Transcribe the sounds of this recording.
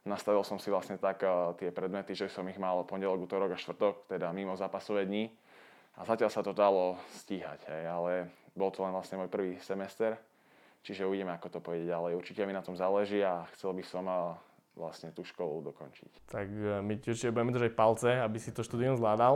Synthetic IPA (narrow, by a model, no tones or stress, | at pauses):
nast̪aʋilsɔmsiʋlasɲɛt̪akt̪ɪɛpɾɛd̪mɛt̪iʒɛisɔmiɣmalpɔɲɟɛlɔɡuːt̪ɔɾɔɡaʃt̪ʋr̩t̪ɔkt̪ɛd̪amimɔzaːpasɔʋɛːd̪ɲi | a̰zacɪalsat̪ɔd̪alɔsciːɦa̰ɟɦɛjalɛbɔlt̪ɔlɛnʋlasɲɛmɔjpr̩ʋiːsɛmɛst̪ɛɾ | t͡ʃiʒɛuiɟɛmɛakɔt̪ɔpɔʋɛɟɪɛɟalɛjuɾt͡ʃicɛaminat̪ɔmzaːlɛʒiaxt͡sɛlbisɔm | ʋla̰sɲɛt̪uːʃkɔlṵd̪ɔkɔnt͡ʃḭct̪akmicuɾt͡ʃicɛbuɟɛmɛd̪ɾ̩ʒacfpalt͡sɛabisit̪ɔʃt̪uːd̪iumzlaːd̪al